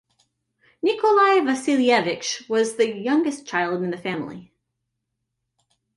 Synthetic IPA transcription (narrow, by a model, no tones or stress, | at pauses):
nɪkəlaɪvɨsilˠiɛvɪkʃwʌzðɨjʌ̃ŋɡɨst͡ʃʰaɪlˠd̃n̩ðɨfæ̃mlˠḭ